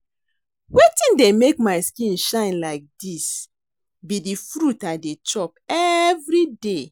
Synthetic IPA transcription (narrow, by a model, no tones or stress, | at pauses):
wetĩndɛ̃mek̚maɪskĩnʃãɪ̃nlaɪk̚dis | bidifɹutadet͡ʃɔp̚ɛvɹide